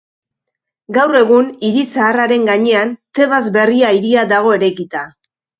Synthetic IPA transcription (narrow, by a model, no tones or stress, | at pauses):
ɡawre̞ɣ̞uniɾisaːraɾe̞ŋɡaɲe̞ant̪e̞βazbe̞riaiɾiad̪aɣ̞o̞e̞ɾekit̪a